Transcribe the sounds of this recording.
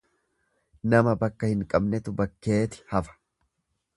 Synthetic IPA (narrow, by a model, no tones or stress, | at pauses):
nɐmɐbɐkːɐhɪŋkʼɐbnɛt̪ʊbɐkːe̞ːt̪ɪ̥hɐfɐ̥